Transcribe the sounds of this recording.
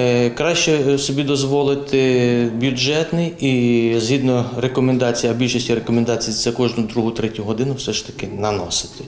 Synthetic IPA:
kɾɑʃt͡ʃɛsɔbʲid̪ɔzʋɔlˠɪt̪ɪbʲjʊd͡ʒɛt̪nɪjizɦʲid̪nɔɾekɔmend̪ɑt͡sʲijɐbʲilʲʃɔsʲtʲiɾekɔmend̪ɑt͡sʲijiɛkɔʒnʊd̪ɾuɦʊt̪ɾɛtʲʊɦɔd̪ɪnʊwsɛʃt̪ɐ̥kɪnɐnɔsɪ̥t̪ɪ̥

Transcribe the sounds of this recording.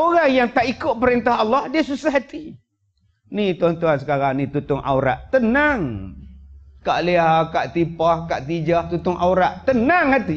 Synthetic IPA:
oɾaŋjaŋt̪aʔikʊʔ̪̚pəɾint̪aɦɑlːɑhdiasusahɦat̪i | nit̪uant̪uansə̥kaɾaŋnit̪ut̪ʊŋʔa̰uɾa̰ʔt̪ənaŋ | kaʔliakaʔt̪ipahkaʔt̪id͡ʒaht̪ut̪ʊŋʔa̰uɾaʔt̪ənaŋhat̪i

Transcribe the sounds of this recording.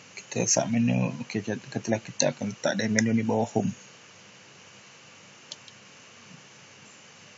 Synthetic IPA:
ki̥t̪ə̰sa̰ʔmeno̰okekət̪əlahkit̪aa̰kanlət̪aʔdəmenonibawahʊm

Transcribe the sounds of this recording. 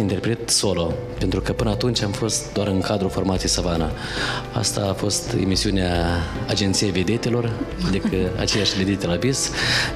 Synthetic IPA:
int̪e̞rpɾe̞t̪so̞lo̞ | pent̪ɾukəpɨnəaːt̪unt͡ʃʲamfo̞st̪̚d̪oaɾɨŋkad̪ɾufo̞rmat̪ijejsavana | a̰st̪aːfo̞st̪e̞̰misiuneaːd͡ʒe̞nt̪sijeve̞d̪et̪e̞lo̞rd̪ikəa̰t͡ʃejaʃʲve̞d̪e̞t̪elabis

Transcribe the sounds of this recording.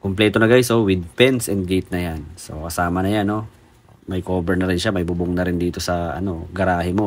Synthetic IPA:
kʊmplɛːt̪onɐɡajsowɪd̪̚pɛnsɛnd̪̚ɡet̪̚nɐjanso̞̰kɐsaːmɐnɐjanːo̞ | mɐjkoːbɛɹnɐɾɪnʃamɐjbubʊŋnɐɾɪnd̪iːt̪o̞sɐʔɐ̰no̞ɡɐɾaːhɪmo̞

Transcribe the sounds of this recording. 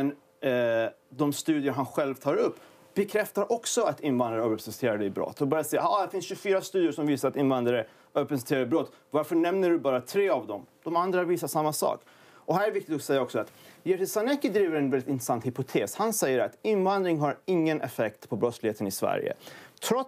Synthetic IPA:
mɛn | d̪ɔmst̪ʉ̟ːd̪ɪəɾɦanɧɛlvt̪ʰɑːɾɵpː | b̥ɛkʰɾɛft̪aɾʔɔksɔat̪ɪnvand̪ɾaɾəøːpɛsst̪ʰeːɾadɛjbɾɔ̰t̪ːɔbɑːɾjasɛjːaad̪ɛfɪnsɕɵfyːɾast̪ʉ̟ːd̪jəʂɔmviːsaɾat̪ɪnvand̪ɾaɾə | øːpəst̪ʰeːɾaɛbɾɔt̪ː | vaɾfœɳɛmnəɖɵbɑːɾat̪ʰɾeːavd̪ɔmd̪ɔmand̪ɾaviːsaʂamːasɑ̰ːk | ɔɦæːɾɛɛvɪk̚t̪ɪt̪ɔsɛjːaɔksɔat̪jɛɾɪsanɛkːɪd̪ɾiːvəɾɛnvɛlːɪt̪ɪnt̪ɾɛsant̪hɪpʊt̪ʰeːshansɛjːəɾa̰t̪ɪnvand̪ɾɪŋɦaɾɪŋːənʔɛ̰fɛk̚t̪pʰɔbɾɔt̪slɪheːt̪ənɪsvæ̰ɾjə̰t̪ʰɾɔ

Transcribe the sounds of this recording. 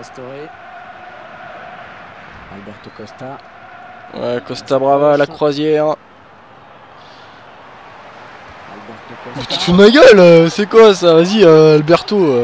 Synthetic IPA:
t̪ɔ | albɛʁt̪okɔst̪a | wɛ̰kɔst̪abʁavalakχwazjɛːʁ | lɛt̪bat̪y̥t̪umaɡʲœløsɛkwasavaziøalbɛʁt̪oø

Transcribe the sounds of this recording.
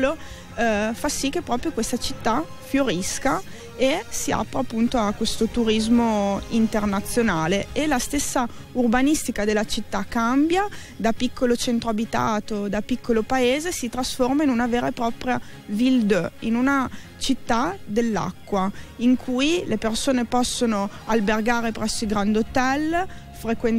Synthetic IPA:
lo | fasːik̟ːepːɾɔːpɾjokwest̪at͡ʃit̪ːa | fjoɾiska | esia̰pɾeapːunt̪oakwest̪ot̪uɾizmoint̪ernat̪sːjonaːleelast̪esːa | urbanist̪ikad̪elːat͡ʃit̪ːakːambja | d̪apikːolot͡ʃent̪ɾoabit̪a̰ːt̪od̪apikʰːolopaeːzesit̪ɾasformainunaveːɾaepɾɔːpɾja | vild̪inunat͡ʃit̪ːad̪elːa̰kːwaiŋkʰujlepersoːnepɔsːonoalberɡaːɾepɾɛsːoilɡɾand̪ot̪ɛl | fɾekwen

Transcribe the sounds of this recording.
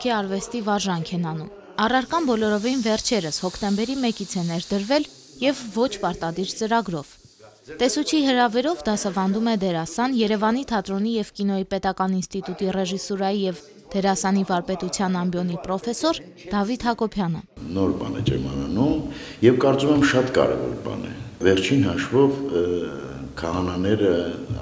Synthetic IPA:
kʰɛɑɾvɛst̪ivɑɾʒɑŋkʰɛnɑnum | ɑrɑɾkɑnbɔlɔɾɔvinvɛrt͡ʃʰɛɾəshɔkʰt̪ɛmbɛɾimɛkit͡sʰɛnɛɾd̪əɾvɛl | jɛvːɔt͡ʃʰpɑɾt̪ɑd̪iɾt͡səɾɑɡɾɔv̥ | t̪ɛsut͡ʃʰiɦəɾɑvɛɾɔvd̪ɑsɑvɑn̪d̪umɛd̪ɛɾɑsɑnjɛɾɛvɑn̪it̪ʰɑt̪ɾɔnijɛvkinɔipɛt̪ɑkɑninst̪it̪ut̪irɛʒisɔɾɑjijɛv | d̪̥ɛɾɑsɑnivɑɾpɛt̪ut͡sʰjɑnɑmbjɔnipɾɔfɛsɔɾ | d̪̥ɑvit̪hɑkɔpʰjɑnə̰nɔɾbɑnɛ̰t͡ʃʰɛmɑnɑnumjɛvkɑɾt͡sumɛmʃɑt̪kɑ̰ɾɛ̰vɔ̰ɾbɑ̰nɛ̰vɛɾt͡ʃʰinhɑʃvɔv | kʰɑhɑnɑnɛɾə

